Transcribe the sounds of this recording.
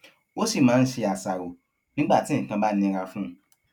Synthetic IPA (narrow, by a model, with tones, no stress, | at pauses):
o˦si˦˨mãː˨˦˧n̩˦ʃe˧a˨sa˨ɾo˨ | nĩ˦ɡ͡ba˦˨tĩ˨˦˨kã˧ba˦nĩ˧˦˧ɾa˧fũ˦